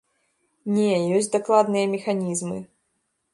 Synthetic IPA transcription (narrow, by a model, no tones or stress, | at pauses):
nʲɛjɔsʲtʲd̪aklˠad̪nɨjɐmʲɛxanʲizmɨ̰